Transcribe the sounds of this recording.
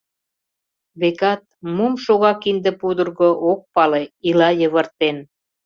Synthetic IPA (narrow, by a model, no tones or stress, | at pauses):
βekɑt̪̚mumʃoɣɑkind̪ə̆pud̪ərɣoʔok̚pɑleilɑjə̆βə̆rt̪en